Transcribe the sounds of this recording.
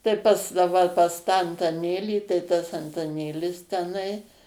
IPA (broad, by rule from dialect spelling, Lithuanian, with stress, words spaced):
tɐɪ ˈpɐs dɐ ˈʋɐ pɐs tɑː ɐntɐˈnʲeːlʲiː tɐɪ tɐs ɐntɐˈnʲeːlʲɪs tʲɛˈnɐɪ